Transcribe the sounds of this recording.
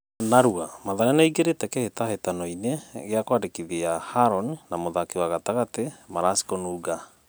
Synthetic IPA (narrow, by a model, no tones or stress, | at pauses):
naɾuamaðaɾɛnaiɡeɾetɛkɛhetahetanɔineɣeakwadekiðiahaɾɔnnamoðakewaɣataɣatemaɾasi̥konuːɡa